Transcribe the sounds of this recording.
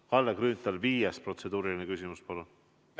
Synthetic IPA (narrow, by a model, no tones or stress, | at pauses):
kɑlːekryːnt̪ːˑɑlviːjespro̞t̪se̞d̪̥uːɾilinekysʲimuspɑlun